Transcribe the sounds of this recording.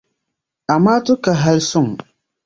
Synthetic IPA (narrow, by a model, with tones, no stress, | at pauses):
a˨maː˦tʊ˦ka˨ɦa˦lsʊ˦˨ŋ˨